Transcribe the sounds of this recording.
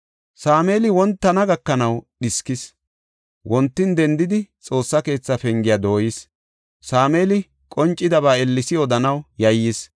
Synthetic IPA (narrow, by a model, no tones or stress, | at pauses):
saːme̞ːlɪwɔnt̪ːɐnɐɡɐkːɐnɐwɗɪskɪs | wʔɔnt̪ːɪnd̪ɛnd̪ɪd̪ɪt͡sʼo̞ːsːɐke̞ːt͡sːɐfɛŋɡɪjaːd̪o̞ːjɪs | saːme̞ːlɪ | kʼɔnt͡ʃʼːɪd̪ɐβaːɛlːɪsɪɔd̪ɐnɐwjɐjːɪs